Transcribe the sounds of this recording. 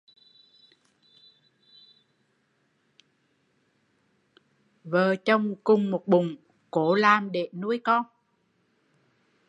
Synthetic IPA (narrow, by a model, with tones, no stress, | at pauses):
vəː˨˩t͡ɕɔ˧wŋ͡mkʊ˨˩ŋ͡mmo˨˩t̚ɓʊ˨˩ŋ͡m | ko˧˦laː˨˩mɗe˧˩˨nu˧˥əjkɔ˧n